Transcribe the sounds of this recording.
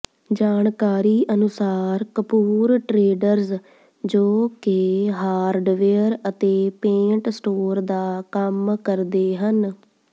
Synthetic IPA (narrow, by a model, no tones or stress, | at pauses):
d͡ʒaːɳkaːɾiːʔənʊsaːɾkəpuːɾʈɾeːɖəɾz | d͡ʒoːkeɦaːɾɖʋeːəɾət̪eːpẽːɳʈsʈoːɾd̪aːkəmkəɾd̪eːɦən